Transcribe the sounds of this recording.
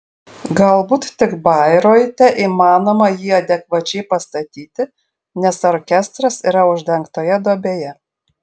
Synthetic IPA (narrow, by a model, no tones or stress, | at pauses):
ɡɐlˠbuːt̪t̪ʲɪkbɐɪɾoːjt̪ʲɛʔiːmɑːnoːmɐjiːɐd̪ʲɛkʋɐt͡ʃʲɛɪpɐst̪ɐt̪ʲiːt̪ʲɪ | nʲɛsoɾkʲɛst̪ɾɐsiɾɐʊʒʲd̪ʲɛŋkt̪oːjɛd̪oːbʲeːjɛ